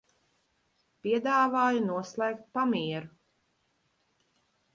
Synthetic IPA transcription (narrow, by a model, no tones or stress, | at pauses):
pʲiɛd̪aːvaːjunuɔslˠɛːkt̪̚pamiɛɾu